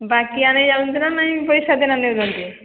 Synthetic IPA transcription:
bakianed͡ʒaunt̪inanaɦĩpoɾiʃad̪enamnewd̪ont̪i

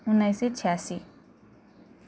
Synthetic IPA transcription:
unːajset͡sʰasi

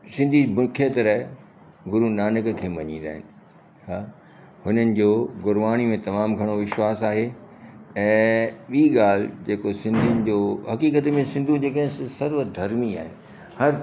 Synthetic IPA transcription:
sɪ̃nd̪ʱimʊkʰeət̪ɾɐ | ɡʊɾunaːnɪkkʰeːmɐɲĩːnd̪a̰ːɦɪ̰nɪ̆ | ɦaː | hʊnənɪ̆d͡ʑoːɡʊɾʋaːɽ̃imẽt̪ɐmaːmɡʱɐɽ̃oʋɪʃwaːsaːɦe | ɛ̃ːɓiːɠaːl̤ɪd͡ʑeːkosɪ̃nd̪ʱiənɪ̆d͡ʑoːɦɐkiːkət̪mẽsɪ̃nd̪ʱud͡ʑeːkɐ̃ɦɪ̃ssɐɾʋəd̪ʱɐɾmia̰ːɦɪnɪ̆ | hɐɾ

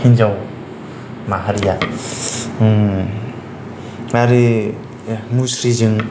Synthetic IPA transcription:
hinzaw | maɦaɾija | aɾɯ | musɾizɯŋ

